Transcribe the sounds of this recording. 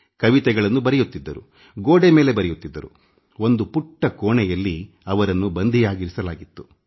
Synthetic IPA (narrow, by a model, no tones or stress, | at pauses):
kɐʋit̪ɛɡɐɭɐnːubɐɾɛjut̪ːid̪ːɐɾu | ɡoːɽeme̞ːle̞bɐɾɛjut̪ːid̪ːɐɾṵ | o̞nd̪upuʈːɐkoːɳɛjɐlːi | ɐʋɐɾɐnːubɐnd̪ʱijaːɡiɾisɐlaːɡit̪ːu̥